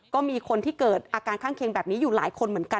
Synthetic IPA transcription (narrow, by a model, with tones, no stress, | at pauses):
kɔː˥˩miː˧kʰo˧nt̪ʰiː˥˩kɤː˨˩t̪̚ʔaː˧kaː˧nkʰaː˥˩ŋkʰeː˧ŋbɛː˨˩p̚niː˦˥juː˨˩laː˩˦jkʰo˧nmɯ˩˦ənka˧